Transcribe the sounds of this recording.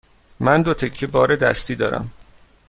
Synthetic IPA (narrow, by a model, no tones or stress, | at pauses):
mænd̪ot̪ʰe̞cʰːebɒːɾed̪æ̰st̪iːd̪ɒːɾæ̰m